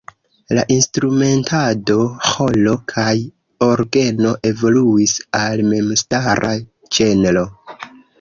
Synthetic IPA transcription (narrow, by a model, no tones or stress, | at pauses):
laʔinstɾume̞ntʰado̞ho̞lo̞kʰaj | o̞ɾɡe̞no̞ʔe̞vo̞luisalme̞mstaɾʔa | d͡ʒe̞nlo̞